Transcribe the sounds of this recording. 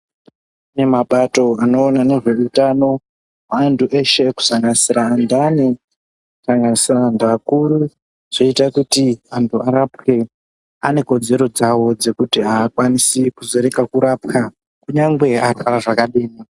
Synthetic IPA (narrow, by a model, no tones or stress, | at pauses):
ne̞maɓato̞ano̞ːnane̞ʐeutano̞ | maːntuʔeʃe̞ku̥saŋɡanisiɾaːndane | ku̥saŋɡanisiraːndakuɾu | ʐ̥oitakutiantʰuaɾapke̞ | ane̞ko̞d͡ze̞ɾo̞d͡zawo̞d͡ze̞kutiaːkwanisikuze̞ɾe̞kakuɾapka | kuɲaŋɡwe̞afaɾaʐakaɗeːni